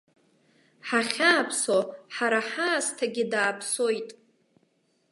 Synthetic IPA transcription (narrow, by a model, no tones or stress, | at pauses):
ħaχʲaːpʰsoħaɾaħaːstʰaɡʲɪdaːpʰsojtʼ